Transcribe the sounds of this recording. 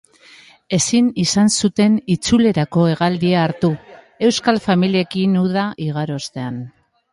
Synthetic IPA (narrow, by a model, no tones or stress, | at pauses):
e̞sinisansut̪e̞nit͡sule̞ɾako̞e̞ɣald̪iaːɾt̪u | e̞wskalfamilie̞kinuðaʔiɣ̞aɾo̞st̪e̞an